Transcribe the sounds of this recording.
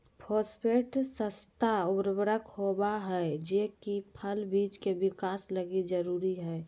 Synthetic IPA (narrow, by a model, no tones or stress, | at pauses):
pʰospʰeʈsəst̪aubɾbəɾəkhobaɦɛd͡ʒekipʰəlbiːd͡ʒkebɪkaːsləɡid͡ʒəɾuɾiɦɛː